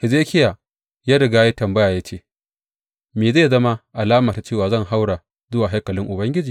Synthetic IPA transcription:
hɪ˨zeː˦kʲɪ˦ja˨ | jaː˦ɽɪ˨ɡaː˦je˦tɐ˨mbɐ˦jaː˨jaː˦t͡ʃeː˦˨ | meː˨zeː˦˨zɐ˦ma˦ʔa˨laː˦ma˨ta˨t͡ʃeː˦˨waː˨zɐ˦˨ŋɦa˦wɽa˨ | zʊ˦waː˨ɦa˦jkɐ˨lɪ˦ŋʔʊ˨bɐ˦ŋɡʲɪ˦d͡ʒiː˨

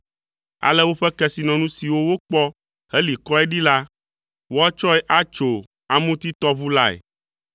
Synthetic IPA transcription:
a̰˨lɛ˦wo˦ɸɛ˦kɛ˦˨si˨nɔ̃˨nũ˦si˨wo˦wo˦k͡pɔ˦ | he˦li˨kɔ˦ɛ˦ɖi˦la˦ | wo˦a˦t͡ʃɔ˦ɛ˦ʔa˦t͡ʃo˨ | a˨mũ˦t̪i˦t̪ɔ˦βu˦la˦ḛ˨

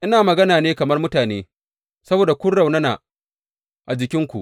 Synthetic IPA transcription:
ʔɪ˦naː˨mɐ˨ɡɐ˦naː˨neː˦kɐ˨mɐ˦rmʊ˦taː˨neː˦ | sɐ˦boː˨da˨kʷʊ˦nɽa˨wnɐ˦na̰˨ | ʔa˨d͡ʒɪ˨kʲɪ˦ŋkʷṵ˨ʔ

